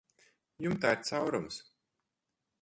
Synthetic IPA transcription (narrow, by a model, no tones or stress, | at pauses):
jumt̪aːiɾt̪sawɾums